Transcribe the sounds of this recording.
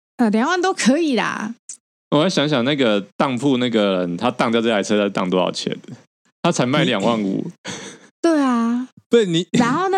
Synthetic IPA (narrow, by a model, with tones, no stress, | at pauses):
ə˥˩ljɑ˨˩ŋwa˥˩nt̪o˥ʊkʰɤ˧˥i˨˩lɐ̰˨˩ | wɔ˨jɕjɑ˧˥˦ŋɕ̬jɑ˨˩ŋna˥˩ɡə˩t̪ɑ˥˧ŋpʰu˥˧na˥˩ɡə˩ɻə˨˦nt̪ʰa˦˥t̪ɑ˥˧ŋt̪jʈ͡ʂa˨˥ɪt͡sʰɤ˥˧ta˥˩˥t̪ɑ̰˥˨ŋt̪ɔ˥ɑ̰˨˩ʊt͡ɕʰɛ̰˨˥˦n | t̪ʰa˥t͡sʰa˧˥ɪma˥˩ɪljɑ˨ŋwa˥˩ŋṵ˨˩ | t̪we˥˩ɪɐ˩t̪e˥˩ni˨˩a˧˥nxo˥˧ʊna˥˩